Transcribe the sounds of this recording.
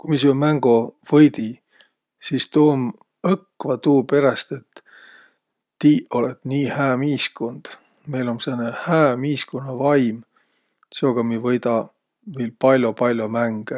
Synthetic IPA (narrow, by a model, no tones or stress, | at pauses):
kujmis̬ymæŋɡ̥ovɤjd̪i | siːst̪oːm | ɤkːˑvɑt̪uːpe̞ɾɑst̪e̞t̪ː | iːʔo̞let̪ːˑniːhæːmiːskond̪̥ | me̞jlo̞nsenːehæːmiːskonːɑvɑjm | seoɡ̥ɑmivɤjd̪ɑ | viːlpɑlʲjopɑlʲjomæŋɡ̥e